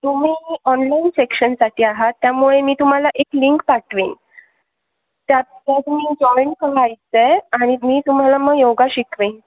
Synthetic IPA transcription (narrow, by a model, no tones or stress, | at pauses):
t̪um̤iːɔnlainsekɕənsaʈʰiːaɦat̪ːjamuɭemiːt̪um̤alaʔekliŋkpaʈʰʋin | t̪jat̪t̪at̪miːd͡ʑɔeɳʈ̚kəɾajt͡seaɽ̃imiːt̪um̤alaməɡjoɡaɕikʋen